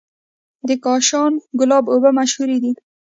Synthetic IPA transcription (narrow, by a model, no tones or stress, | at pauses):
d̪əkɑʃɑnɡʊlɑbobəmaʃhuɾid̪i